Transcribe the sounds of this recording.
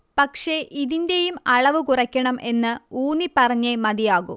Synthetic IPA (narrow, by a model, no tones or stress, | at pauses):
pɐkʂe̞ʔiðinde̞jumɐɭɐʋɨkurɐkʲːɐɳɐmʔe̞nːɨuːnipːɐrɐɲːemɐðijaːɣṵ